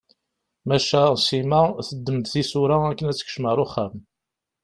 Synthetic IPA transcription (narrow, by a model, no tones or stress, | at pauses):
mæʃæsimæθəd̪ːəmd̪θisʊɾaækːənæt͡sːə̥kʃməɾˤʊχːæm